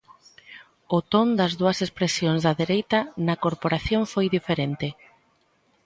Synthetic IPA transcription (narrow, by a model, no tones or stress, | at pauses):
ʊt̪ond̪ɐzðuɐsespɾesjoŋzðɐðeɾejt̪ɐnɐkoɾpoɾaθjoɱfojðifeɾent̪ɪ